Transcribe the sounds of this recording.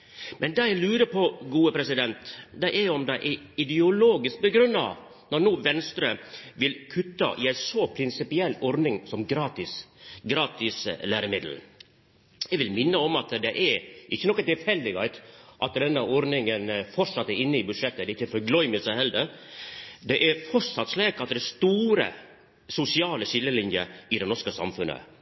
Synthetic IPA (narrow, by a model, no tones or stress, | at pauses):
mʔɛnd̪ɑjɛɡlʉːɾəpʰɔɡuːəpʰɾɛsɪd̪ɛnt̪d̪æɪʔɛɔmd̪æɪʔɛ | ɪd̪ɪʊloːɡɪsk̚bəɡɾʉnːɑ̰ʋ | nɔɾnuːʋɛnst̪ɾəʋɪlkʰʉt̪ːɑ̰ʔɪæɪnsɔpʰɾɪnsɪpɪɛlːɔɾnɪŋsɔmɡɾɑːt̪ɪsɡɾɑːt̪ɪslæːɾəmɪd̪l̩ | jɛɡʋɪlmɪnːəɔmɑt̪d̪ɛʔɛɾʔɪçːənɔkːət̪ɪlfɛlːɪɡɛɪt̪ʔɑt̪d̪ɛnːəʔɔɾnɪŋənfɔʂɑt̪ːɛɾɪnːəɪbʉd̪ʂɛt̪ːəd̪ɛɪçːəfɔɾɡlɔʏməsæɪhɛld̪əɾ | d̪ɛʔɛɾfɔʂɑt̪sleːkɑt̪̚d̪ɛst̪uːɾə̰ | sʊsɪɑːləsɪlːəlɪnjə̰ɾɪd̪ɛnɔɾʂkəsɑ̰mfʉnːə̰